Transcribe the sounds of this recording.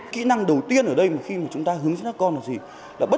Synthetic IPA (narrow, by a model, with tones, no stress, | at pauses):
kḭ˧˥na˧ŋɗə˨˩wt̪i˧ənʔəː˧˩ɗə˧jmaː˨˩xi˧maː˨˩t͡ɕʊ˨˦ŋ͡mt̪aː˧ɦɨ˨˦əŋə˧˦kaː˦˥kɔ˧nlaː˨˩zi˨˩ | laː˨˩ɓə˦˥